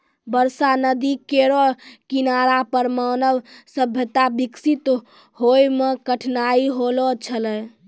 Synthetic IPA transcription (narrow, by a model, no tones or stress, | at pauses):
bəɾsanəd̪ikeɾɔkinaɾapəɾmanəbsəbʱjət̪abiksit̪ | ɦojmekəʈʰnaiɦolɔt͡ʃʰələj